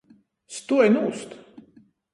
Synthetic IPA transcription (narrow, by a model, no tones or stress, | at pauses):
st̪uɔjnuːst̪